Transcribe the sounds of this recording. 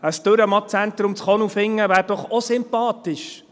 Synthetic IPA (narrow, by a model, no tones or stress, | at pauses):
əstɵɾəmɑt͡sænt̪ɾʊmt͡sχɔnufɪŋːəvæːɾd̥ɔχɔsɪmpɑːtɪʃ